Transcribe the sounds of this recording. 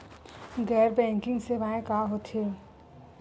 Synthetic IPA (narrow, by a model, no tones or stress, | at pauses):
ɡɛːɾbɛ̃ːŋkɪ̃ŋɡseʋaẽkaɦot̪ʰe